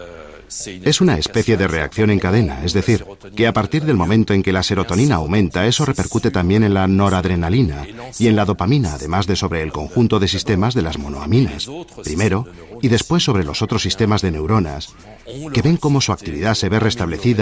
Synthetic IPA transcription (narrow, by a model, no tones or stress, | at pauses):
e̞sunae̞spe̞θje̞ðe̞re̞a̰kθjo̞ne̞ŋkaðe̞na̰e̞zðe̞θiɾ | ke̞apaɾt̪iɾðe̞lmõ̞mẽnt̪o̞e̞ŋke̞lase̞ɾo̞t̪o̞ninaːwmẽ̞nt̪ae̞so̞re̞pe̞ɾkut̪e̞t̪ambje̞ne̞nlano̞ɾaðɾe̞nalinaie̞nlaðo̞pamĩnaːðe̞mazðe̞so̞βɾe̞ːlko̞ŋxunt̪o̞ð̞e̞sist̪e̞mazðe̞lazmo̞no̞a̰mina̰spɾime̞ɾo̞ | iðe̞spwe̞sːo̞βɾe̞lo̞so̞t̪ɾo̞sːist̪e̞mazðene̞wɾo̞na̰s | ke̞βe̞ŋko̞mo̞suak̚t̪iβḭðase̞βe̞re̞st̪aβle̞θið